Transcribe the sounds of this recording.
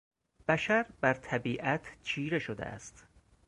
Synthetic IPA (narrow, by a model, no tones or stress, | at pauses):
b̥æʃæɾbæɾt̪ʰæbiːʔæt̪ʰt͡ʃʰiːɾe̞ʃod̪ḛʔæ̰st̪